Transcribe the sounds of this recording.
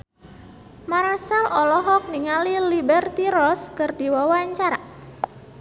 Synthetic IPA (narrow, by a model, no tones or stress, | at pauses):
marsalʔɔlɔɦɔk̚niŋalilibɛrt̪iɾɔskərdiwawaɲt͡ʃaɾa